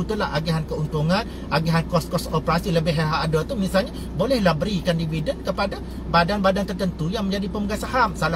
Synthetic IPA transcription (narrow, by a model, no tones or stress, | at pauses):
ut̪ulahʔaɡiɦankəunt̪uŋãn | ʔaɡiɦankɔskɔsopəɾasiləbɪhɦeɾaɦːdat̪umĩsalɲa | bolɛhlabəɾikandividənkəpada | badanbadant̪ərt̪ənt̪ujaŋmə̃ɲd͡ʒadipəməɡasaɦamsala